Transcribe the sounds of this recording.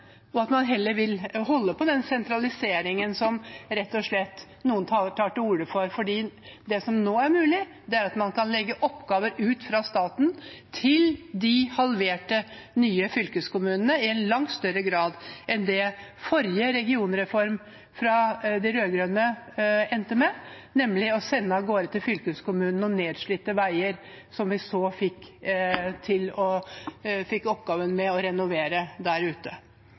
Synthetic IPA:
ɔɑt̪mɑnɦɛlːəɾʋɪlɦɔlːəpɔd̪ɛnsɛnt̪ɾɑlɪseːɾɪŋənsɔmɾɛt̪ːɔʂɭɛt̪ː | nuːənt̪ʰʈ̪ʰɑːʈəuːɖəfɔɾfɔɖiːd̪ɛsɔmnoːæɾmʉːlɪ | d̪ɛæɾɑt̪mɑnkʰɑnlɛɡːəʔɔpːɡɑːʋəɾʉːt̪fɾɑst̪ɑːt̪n̩t̪ʰɪld̪ɪhɑlʋeːʈə | nyːəfʏlkəskʊmʉːnənəɪɛnlɑŋt̪st̪œɾəɡɾɑːd̪ʔɛnd̪ɛfɔɾjəɾɛɡɪuːnɾɛfɔɾm | fɾɑd̪ɛɾøːɡɾœnəɛnt̪əmɛ | nɛmlɪɔsɛnːəɡoːɾət̪ʰɪlfʏlkəskʊmʉːnn̩ɔneːd̪ʂɭiːt̪ːəʋæɪəɾ | sɔmʋɪsoːfɪkː | t̪ʰɪlɔ | fɪkːɔpɡɑːʋənmɛɔɾɛnʊʋeːɾəd̪æɾʉːt̪ə

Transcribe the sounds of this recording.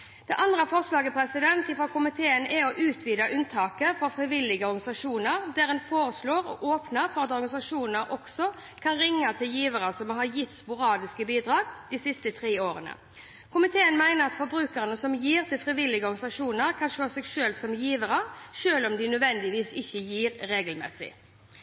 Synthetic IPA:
d̪̥ɛʔɑnd̪ʁəfɔʁslɑːɡəpʰɾɛsɪd̪ɛnt̪ɪfɾɔːkʰʊmɪt̪ʰeːənɛɔʔʉːt̪ʰʋiːd̪ɑʔʉnt̪ʰɑːkəfɔfɾɪʋɪlɪɡəɔɾɡɑnɪsɑʂuːnəɾd̪æɾɛnfoːɾəsloːɾɔ̰ʔoːpnəɾfɔʁɑt̪ɔɾɡɑnɪsɑʂuːnnəɾʔɔksɔ | kʰɑnɾɪŋːət̪ʰɪljiːʋəɾəsɔmɦɑjɪt̪ːspʊɾɑːd̪ɪskəbiːd̪ʁɑːɡd̪ɪsɪst̪ət̪ʰɾeːoːɾənə̰ | kʰʊmɪt̪ʰeːənmæɪnəʁɑt̪fɔɾbɾʉːkəɾənəsɔmjiːʁt̪ʰɪlfʁɪʋɪlːɪɡəɔɾɡnɪsɑʂuːnəɾkʰɑnʃøːsɛɡʃøːlsɔmjiːʋəɾəʃøːlɔmd̪ɪnœd̪ʋɛnd̪ɪʋiːsɪçːəjiːɾɾeːɡəlmɛ̰sɪ̰

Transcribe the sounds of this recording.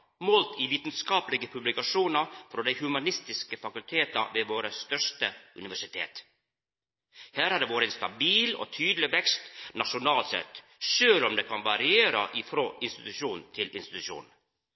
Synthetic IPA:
mɔlt̪iːʋiːt̪n̩skɑːplɪɡəpʰʉblɪkɑʂuːnɑfɾɔd̪æɪhʉmɑnɪst̪ɪskəfɑkʉlt̪ʰeːt̪ɑʋeːʋoːɾəst̪œʂtəʉnɪʋæʂɪt̪ʰḛːt̪ | hæːɾhɑɖ̪eːʋoːɾɛnst̪ɑbiːlɔ̰t̪ʰyːd̪lɪʋɛkst̪nɑʂʊnɑːlsɛ̰t̪ | ʂøːlɔmd̪eːkʰɑnʋɑɾɪeːɾə̰ʔɪfɾoːʔɪnst̪ɪt̪ʉʂuːnn̩t̪ʰɪlɪnst̪ɪ̥t̪ʉʂṵːn̩

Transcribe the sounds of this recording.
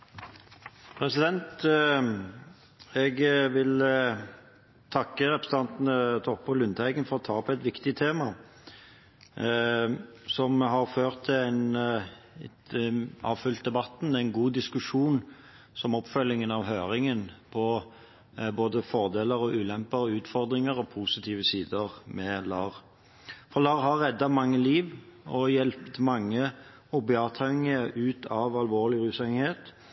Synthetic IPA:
pʰɾɛsɪd̪ɛnt̪ | ɛɡʋɪl | t̪ʰɑkːəɾɛpɾəsət̪ɑnt̪n̩ət̪ʰɔʁpʊlʏnt̪æɪɡənfɔʁɔt̪ʰɑːɔpɛt̪ʋɪkt̪ɪt̪ʰeːmɑ | sɔmɦɑɾføːʁt̪ʰːɪæɪn | ɑ̰ːʋfʉlt̪̚d̪ɛbɑt̪næɪnɡuːd̪ɪskʉʂuːn | sɔmɔpːfœlːɪŋənɑʋɦøːɾɪŋənpʰɔ | boːd̪əfɔʁd̪eːləɾɔʔʉːlɛmpəʁəʉːt̪fɔʁd̪ɾɪŋəɾɔpʰusɪt̪ʰiːʋəsiːd̪əʁmɛlɑːʁ | fɔʁlɑːʁɦɑʁːɛd̪ːɑmɑŋːəliːʋɔjɛlpt̪mɑŋːə | ɔbeɑːt̪ʰɑŋːəʔʉːt̪ʰɑʋɑlʋoːʁlɪʁʉːsɛŋheːt̪

